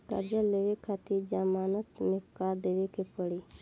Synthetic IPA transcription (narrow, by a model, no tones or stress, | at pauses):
k̪ɐ̰ɾd͡ʒaleʋekʰat̪id͡ʒamaːnət̪mekaːɾd̪eʋekʰepəɽi